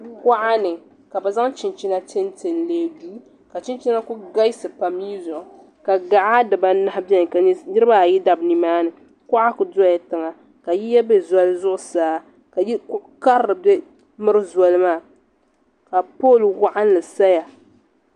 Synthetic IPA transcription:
wa˦ʔa˦nɨ˨ | ka˨ba˨za˦ŋt͡ʃɪ˨nt͡ʃi˦na˦t͡ʃe˦n˦te˨n˨leː˨˦˨duː˦ | ka˨t͡ʃɪ˦n˦t͡ʃi˦na˦kʊ˦ɡa˦jsɨ˨pa˨mːiː˦zʊ˨ʔʊ˨ | ka˨ɡa˨ʔa˦dɨ˨ba˦na˨˦hbɛ˦n˨knɨ˦ɾɨ˦ba˦˨ji˦da˨bni˨maː˦nɨ˨ | kʊ˦ʔa˦kʊ˨da˦ja˨tɨ˨ŋa˨ | ka˨ji˦ja˦bɛ˦za˦lzʊ˦ʔʊ˨saː˨ | ka˨ji˦kʊ˦ka˦ɾɨ˨bɛ˦ | mɨ˦ɾɨ˦zɔ˨lɨ˦maː˦˨ | ka˨poː˦˨lwa˦ʔa˦n˦lɨ˨sa˦ja˨

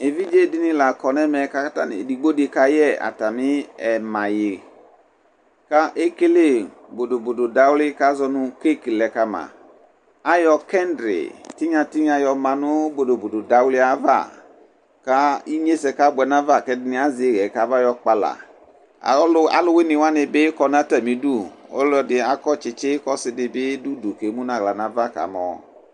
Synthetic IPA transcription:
e˨vi˦d͡ʒe˦di˦nĩ˦la˨kɔ˨nɛ˦mɛ˨ka˦ta˦˨nḭ˨di˨ɡ͡bo˦de˨ka˦jɛ˦˨a̰˨ta˨mi˦ɛ˨ma˨je˨ | ka˦ʔe˦ke˦le˦˨ | bo˨do˨bo˨do˨da˨wlɪ˦ka˦zɔ˧nu˧ke˦˨ki˨lɛ˨ka˦mã̰˨ | a˦jɔ˧kɛ˦ndɾḛ˨ti˦ɲã˧ti˦ɲ˦a˧jɔ˧ma˨nʊ˦bo˨do˨bo˨do˨da˨wli˦a˦va̰˦˨ | ka˦i˦ɲe˦sɛ˧ka˦bʊ˨ɛ˨nã˦va˦˨kɛ˦dɪ˦nɪ˨a˦zɪ˨˦˨ɣɛ˨ka˨˦va˦jɔ˧k͡pa˨la̰˨˦ | la̰˨lʊ˦wɪ˦nɪ˨wa˦nɪ˨bɪ˦kɔ˧˦nã˦tɛ˨mĩ˨du˦˨o̰˦lɔ˦dɪ˨a˨kɔ˦t͡ʃɪ˨t͡ʃɪ˦kɔ˦sɪ˨dɪ˨bɪ˦du˦du˨ke˨˦mu˦nã˨ɣla˨nã˨va˦ka̰˨˦mɔ̰˨

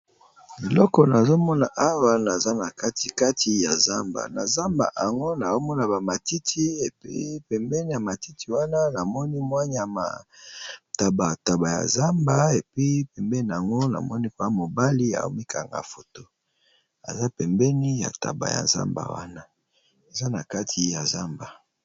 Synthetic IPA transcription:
i˨lɔ˦kɔ˨na˨zo˦mɔ˦na˨ʔa˦wa˦na˨za˦na˨ka˦ti˨ka˦tʰi˨ja˨za˦mba̰˨na˨za˦mba̰˨ʔa˨ŋɡo˦na˨zo˦mɔ˦na˨ba˨ma˨ti˦tʰi˦e˨pḭ˦pɛ˨mbɛ˦ni˦ja˨ma˨ti˦tʰi˨wa˦na˦na˨mɔ˦ni˦mwa˦ɲ˦a˨ma̰˨ | ta˨ba˨ta˨ba˨ja̰˨za˦mba˦e˨pi˦pɛ˨mbɛ˦ni˨a˨ŋɡo˦na̰˨mɔ˦ni˦ko˨a˦mo˨ba˦li˦a̰˨o̰˦mi˦kʰa̰˨ŋɡa̰˨fo˨to˦ | a̰˨za˦pɛ˨mbɛ˦ni˦ja̰˨ta̰˨ba̰˨ja̰˨za̰˦mba̰˨wa̰˦na˦ | e˨za˦na˨ka˦tʰi˨ja˨za˦mba˨

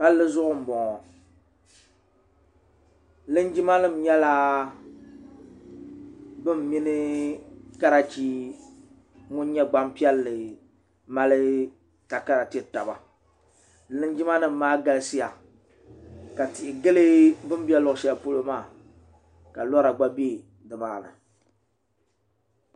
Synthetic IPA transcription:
ka˦llɨ˦zʊ˦ʔʊ˦˨m̩˨bɔ˨ŋɔ˨ | lɨ˦nd͡ʒi˦ma˦nɨ˦˨m̩˨ɲɛ˦la˦ | bɨ˦m˨mi˦nɨ˦ | ka˦ɾa˨t͡ʃi˦ | ŋʊ˦n˦ɲɛ˦ɡ͡ba˦mpi˦ɛ˦lːɨ˨ | ma˦lɨ˦ | ka˨ka˦ɾa˨ti˦ɛ˦ta˨ba̰˨ | lɨ˦nd͡ʒi˦ma˦nɨ˦m̩ː˦aː˦ɡa˨lɨ˦si˦ja˨ | ka˨tɪ˨ʔɪ˨ɡɨ˦lɨ˦bɨ˦m˦bi˦ɛ˦lʊ˦˨ʃɛ˦˨po˦lo˦maː˦˨ | ka˨lɔ˦ɾa˨ɡ͡ba˦bi˦e˦˨ | dɨ˨maː˦˨nɨ̰˨

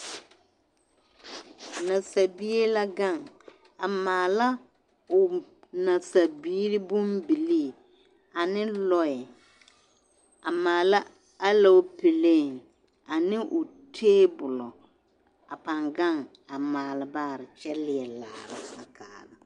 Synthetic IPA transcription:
na˨sa˨bi˦e˦la˦ɡa˦˨ŋ | a˨maː˨la˦ | ʊ˨na˨sa˨biː˦ɾi˦bʊ˦mbi˨li˦˨ | a˨nɪ˦lɔ˨ɪ˨ | a˨maː˨la˦ | a˦la˨o˦pɪ˨leː˦˨ŋ | a˨nɪ˦ʔʊ˨ | tʰeː˦bʊ˨lɔ˨ | a˨pa˨ŋɡa˦˨ŋ | a˨maː˨lɪ˨baː˦˨ɾɪ˨t͡ʃɛ˦lɪ˨ɛ˨la̰ː˨ɾa̰˦a˨kaː˨la˨

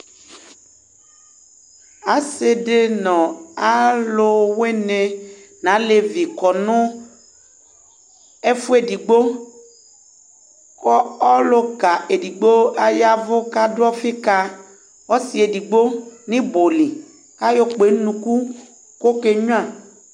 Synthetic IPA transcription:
a˨se˨de˦nɔ̃˨a˦lo˦we˦ne˨nã˨˦le˨vi˨kɔ˨nʊ̃˦ | e˦fu˦e˨di˨ɡ͡bo˦ | kɔ˦ɔ˦lo˦ka˨e˨di˨ɡ͡bo˦a˨ja˦vʊ˦ka˦dʊ˦ɔ˦fi˦ka˦ | wɔ˦si˨e˨di˨ɡ͡bo˦nĩ˦bo˨li˨ | ka˦jo˦k͡pe˨˦nũ˨ku˦ | ko˦ke˦ɲũ˦ã˦˨

